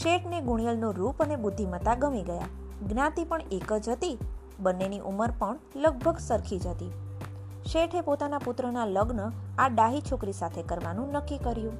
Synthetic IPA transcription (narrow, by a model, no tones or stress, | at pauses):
ʃeʈʰneɡuɳjəlnũɾupənebʊd̪ʱːimət̪aɡəmiɡəja̰ | ɡnãt̪ipəɳekəd͡ʒɦət̪i | bənːeniʔuməɾpəɳ | ləɡ̚bʱəɡsəɾkʰid͡ʒət̪i | ʃeʈʰepot̪anapʊt̪ɾənaləɡnəaɖaɦit͡ʃʰokɾisat̪ʰekəɾʋanũnəkːikəɾjũ